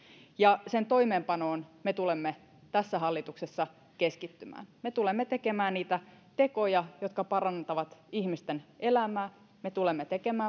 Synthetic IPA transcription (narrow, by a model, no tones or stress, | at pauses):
jɑsent̪o̞imeːmpɑnoːnmet̪ulemːe | t̪æsːæɦɑlːit̪uksesːɑ | keskit̪ːymæ̰ːnmet̪ulemːet̪e̞kemæːnniːt̪æt̪e̞ko̞jɑjot̪kɑpɑrɑnt̪ɑʋɑt̪ihmist̪enelæmæː | met̪ulemːet̪e̞kemæː